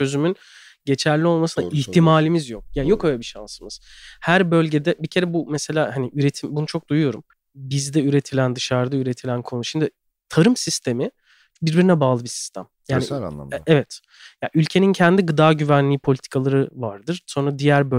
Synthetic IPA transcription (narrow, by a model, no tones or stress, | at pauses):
t͡ʃø̞zymyn | ɟe̞t͡ʃʰæɾlʲio̞lˠmasɯnaiçt̪ʰimaːlʲimizjo̞k̚jaːnijo̞kø̞jlʲɛbiʃa̰nsɯmɯz̥hæɾbø̞lʲɟe̞d̪ɛbicʰe̞ɾɛbumɛse̞lʲaːhaniyɾe̞t̪ʰimbunut͡ʃʰo̞k̚d̪ujujo̞ɾum | bizd̪ɛyɾe̞t̪ʰilʲænd̪ɯʃaɾd̪ayɾe̞t̪ʰilʲænkʰonuʃimd̪ɪ | t̪ʰaɾɯmsist̪ʰe̞mi | biɾbiɾinɛbaːlˠɯbisi̥st̪ʰæmjaːnḭa̰ɛvɛt̪ | ja̰ʔylʲcʰe̞nincʰɛnd̪iɡɯd̪aːɟyvænlʲiːpʰo̞lʲit̪ʰi̥kʰalˠaɾɯva̰ɾd̪ɯɾ̥so̞nɾad̪ijæɾbø